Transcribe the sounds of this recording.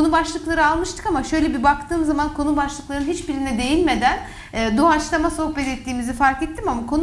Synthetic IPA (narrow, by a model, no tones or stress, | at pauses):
onubaʃlˠɯklˠaɾɯalˠmɯʃt̪ɯ̥kamaʃø̞jlʲɛbibakt̪ʰɯːmzamankʰo̞nubaʃlˠɯklˠaɾɯnɦit͡ʃbiɾinɛd̪e̞jilʲme̞d̪ænː | d̪uat͡ʃlˠamaso̞hpɛt̪ɛt̪ːiːmizifaɾkɛt̪ʰːimamakʰo̞n